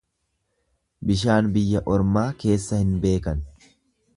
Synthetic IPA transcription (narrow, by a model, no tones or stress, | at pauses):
bɪʃaːnbɪjːɐʔɔɾmaːke̞ːsːɐhɪnbe̞ːkɐn